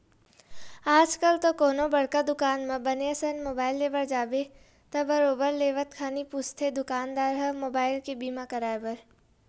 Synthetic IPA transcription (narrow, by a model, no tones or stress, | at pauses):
aːd͡ʒkɐlt̪okoːnõbɐɽkad̪ʊkaːnmẽbɐneəsənmoːbaːɪlːeːbəɾd͡ʒaːbe | t̪ɐbɐɾoːbəɾleːʋət̪kʰaːnipʊst̪ʰed̪ʊkaːnd̪aːɾɦɐmoːbaːɪlkebiːmakɐɾaːebɐɾ